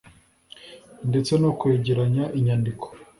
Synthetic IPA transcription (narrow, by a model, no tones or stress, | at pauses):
nde̞t͡se̞nokweːɟiɾaɲaʔiɲandikʰo̥